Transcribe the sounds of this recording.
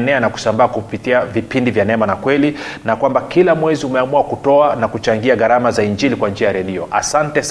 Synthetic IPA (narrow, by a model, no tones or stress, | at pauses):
nɛanaku̥sambaːkupitiavipindivjanɛmanakwɛlinakwambakilamwɛziumɛamuakutɔanakut͡ʃaŋɡiaɣaɾamazaiɲd͡ʒilikwand͡ʒiajaɾɛɗiɔʔa̰santɛs